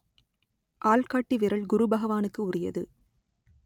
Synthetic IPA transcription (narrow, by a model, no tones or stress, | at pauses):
ʔaːɭkaːʈːiʋɪɾɐɭɡʊɾubɐɣɐʋaːnɯkːɯʊɾɪjɐ̰ðɯ